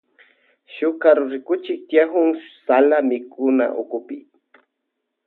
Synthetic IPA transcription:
ʃʊkaɾʊɾɪkʊt͡ʃɪk̚t̪jaxʊŋsalamɪkʊna̰ʔʊkʊpɪ̰

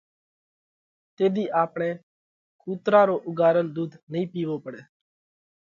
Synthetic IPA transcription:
t̪eːd̪iːʔaːpɳeː | kʰuːt̪ɾãːɾoːʔʊɡaːɾənd̪uːd̪nəɦĩːpiːʋoːpəɽeː

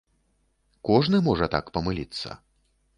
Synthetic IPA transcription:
kɔʐnɨmɔʐɐt̪a̰kpɐmɨlʲit̪sːɐ̰

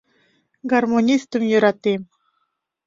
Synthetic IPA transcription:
ɡarmonʲist̪əmjuɾɑt̪im

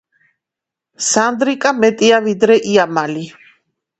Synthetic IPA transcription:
sand̪ɾikʼamɛt̪ʼiavid̪ɾɛʔiamali

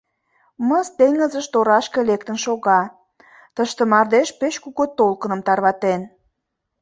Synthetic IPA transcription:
məzt̪eŋəzəʃt̪oɾɑʃkelekt̪ə̆nʃoɣɑ | t̪əʃt̪ĕmɑrd̪eʃpeʃkuɣot̪olkənə̆mt̪ɑrβɑt̪en

